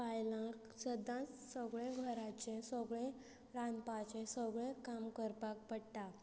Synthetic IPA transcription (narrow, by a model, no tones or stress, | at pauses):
pajlãksəd̪ãsəɡɭeɡʱəɾat͡ɕẽsəɡɭẽ | ɾãnpat͡ɕẽsəɡɭẽkamkəɾpak̚pəɽt̪a